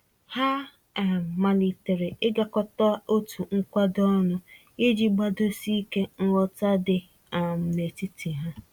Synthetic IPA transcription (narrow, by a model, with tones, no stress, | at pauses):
ha˦˨ | ma˨li˨te˨ɾe˨ɪ˦ɡa˨kɔ˦tɔ˦o˦tʰu˨ŋ̩˦kʷa˦dɔ˦nʊ˦ | ɪ˦d͡ʒi˦ɡ͡ba˦do˦si˦ke˦n̩˦wɔ˦ta˦dɪ˨ | m̩˨ne˨ti˦tʰi˨ɦa˦